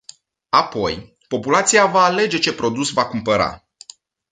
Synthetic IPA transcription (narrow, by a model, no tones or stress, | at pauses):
apo̞̰j | po̞pulat̪sijavaːle̞d͡ʒe̞t͡ʃe̞pɾo̞d̪usvakumpəɾa̰